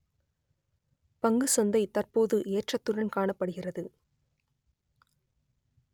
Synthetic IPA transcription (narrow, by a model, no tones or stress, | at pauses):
pɐŋɡɯsɐnd̪ɐɪt̪ɐrpoːðɯʔeːʈrɐt̪ːʊɻɐnkaːɳɐpːɐɽɯɣɪrɐðɯ